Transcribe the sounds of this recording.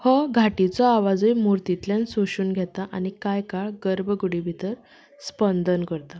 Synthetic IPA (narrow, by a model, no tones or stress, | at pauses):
hɔɡʱaʈit͡sɔaʋad͡zəjmuɾt̪it̪ljansoɕuːnɡʱɛt̪aʔañikajkaɭɡəɾbʱəɡuɽibʱit̪əɾ | spənd̪ʱənkəɾt̪a